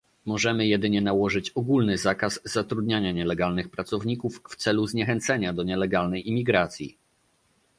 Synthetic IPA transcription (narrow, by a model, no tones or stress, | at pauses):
mɔʐɛmɘjɛd̪ɘɲɛnawɔʐɘt͡ɕɔɡulnɘzakasːat̪ɾud̪̚ɲaɲaɲɛlɛɡalnɘxpɾat̪sɔvɲikufːt̪sɛluzɲɛxɛnt̪sɛɲad̪ɔɲɛlɛɡalnɛjimʲiɡɾat̪sʲjḭ